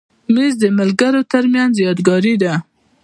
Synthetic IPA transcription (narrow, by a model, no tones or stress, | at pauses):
mizd̪əmɪlɡaɾot̪aɾmjanzjɑd̪ɡɑɾid̪a